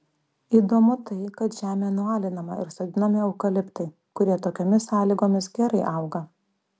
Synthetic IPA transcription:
iːd̪oːmʊt̪ɐɪkɐt̪ʒʲæːmʲeːnʊɑːlʲɪnɐmɐ̰ɪɾsɐd̪ʲɪnɐmʲɪɐʊkɐlʲɪpt̪ɐɪ | kʊɾʲiɛt̪oːkʲoːmʲɪsɑːlʲiːɡoːmʲɪs̬ɡʲɛɾɐɪʔɐʊɡɐ

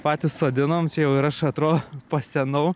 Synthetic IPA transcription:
pɑːt̪ʲɪssoːd̪ʲɪnoːmt͡ʃʲɛjɛʊɪɾɐʃɐt̪ɾoːd̪opɐsʲɛnɐʊ

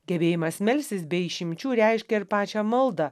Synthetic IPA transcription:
ɡʲɛbʲeːjɪmɐsmʲɛlʲsʲt̪ʲɪsbʲɛɪʃʲɪmʲt͡ʃʲuːɾʲɛɪʃʲkʲɛɪɾpɑːt͡ʃʲɛmɐlˠd̪ɑ

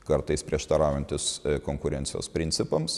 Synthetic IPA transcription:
kɐɾt̪ɐɪspʲɾʲiɛʃt̪ɐɾɑːʋjɛnʲt̪ʲɪskoːŋkʊɾʲɛnʲtsʲɪjo̰ːspʲɾʲɪnʲtsʲɪpɐms

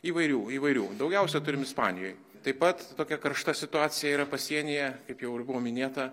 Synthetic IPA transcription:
iːʋɐɪɾʲuːiːʋɐɪɾʲuːd̪ɒʊɡʲɛʊsʲɛt̪ʊɾʲɪmɪspɑːnʲɪjo̰ːj | t̪ɐɪpɐt̪t̪oːkʲɛkɐɾʃt̪ɐsʲɪt̪ʊɑːt͡s̪ʲɪjɛiːɾɐpɐsʲiɛnʲejɛkɐɪpjɛʊɪrbʊʋoːmʲɪnʲeːt̪ɐ

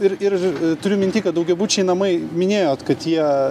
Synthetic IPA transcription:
ɪɾɪɾt̪ʊɾʲʊmʲɪnʲt̪ʲiːkɐt̪̚d̪ɐʊɡʲɛbuːt͡ʃʲɛɪnɐmɐɪmʲɪnʲeːjoːt̪kɐt̪jiɛ

